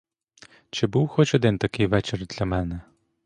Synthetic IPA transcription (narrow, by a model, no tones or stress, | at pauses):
t͡ʃɪbuwxɔt͡ʃɔd̪ɪnt̪ɐkɪjʋɛt͡ʃɪrd̪lʲɐmɛnɛ